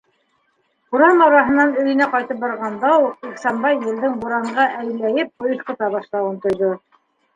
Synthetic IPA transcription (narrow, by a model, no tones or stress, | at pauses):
uɾɑmɑɾɑɦɤ̆nːɑnɵ̆jɘ̆næqɑjt̪ɤp̚bɑɾʁɑnd̪ɑwuq̚iksɑmbɑjːɘ̆ld̪ɘŋbuɾɑɴɢɑʔæjɘ̆lːæjɘp̚ŏjɤ̆θqɤ̆t̪ɑβɑʃlˠɑwɤnt̪ŏjðo